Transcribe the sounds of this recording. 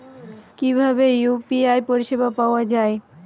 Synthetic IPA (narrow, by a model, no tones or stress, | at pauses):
kibʱabejupiaepoɾiʃebapaoad͡ʑae